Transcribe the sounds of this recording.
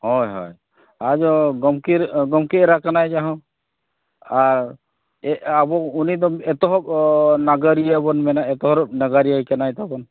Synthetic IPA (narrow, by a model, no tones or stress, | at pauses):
ɦɔjɦɔ̰j | ad͡ʒɔɡɔmkiɾɡɔmkiɾakanajd͡ʒaɦɔ̃ | aɾ | ɛabɔunid̪ɔɛt̪ɔɦɔpnaɡəɾijabɔnmɛnaɛt̪ɔɦɔɾnaɡaɾijakanajt̪abɔn